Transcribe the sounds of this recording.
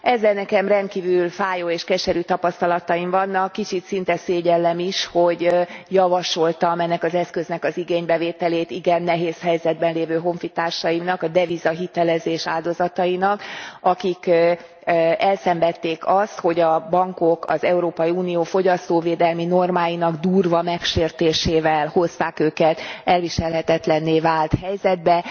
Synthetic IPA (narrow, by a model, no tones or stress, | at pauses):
ɛzːɛlnɛkɛmrɛnt̪̚kiːvylfaːjoːeːʃkɛʃɛɾyt̪ɒpɒst̪ɒlɒt̪ɒiɱvɒnːɒkːit͡ʃit̪sint̪ɛseːɟɛlːɛmiʃho̞ɟjɒvɒʃo̞lt̪ɒmɛnːɛkɒzɛskø̞znɛkɒziɡeːɲbɛveːt̪ɛleːt̪iɡɛnːɛɦeːshɛjzɛd̪̚bɛnleːvøːɦo̞ɱfit̪aːrʃɒjimnɒkɒd̪ɛvizɒɦit̪ɛlɛzeːʃaːld̪o̞zɒt̪ɒinɒkɒkik | ɛlsɛmbɛt̪ːeːkɒst̪ho̞ɟɒbɒŋko̞kɒ̰zɛuɾoːpɒjiuːnijoːfo̞ɟɒst̪oːveːd̪ɛlmino̞rmaːjinɒɡd̪uːrvɒmɛkʃeːrt̪eːʃeːvɛlho̞st̪aːkøːkɛt̪ɛlʋiʃɛlɦɛt̪ɛt̪lɛnːeːvaːlt̪hɛjzɛd̪̚bɛ